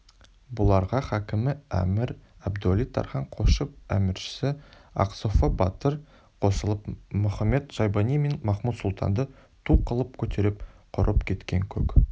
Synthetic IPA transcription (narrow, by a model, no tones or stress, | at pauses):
bʊlˠɑɾʁɑχɑkʲɪmɪæ̰mɪɾ | ɑbd̪ʊalijt̪ʰɑ̰ɾχɑɴqʰo̞ʃəp̚æ̰mɪɾʃɪ̥sɪɑ̰qsofobɑt̪əɾ | qʰo̞səlˠəpmɵχɑmːe̞t̪ʒ̥ɑjbɑnijme̞nmɑχmut̪sʊlˠt̪ʰɑ̰nd̪ə | t̪ʰuqəlˠəp̚kʲʰɵt̪ʰe̞ɾɪpqʰʊɾəpkʲʰe̞t̪kʲe̞ŋkʲʰɵ̰k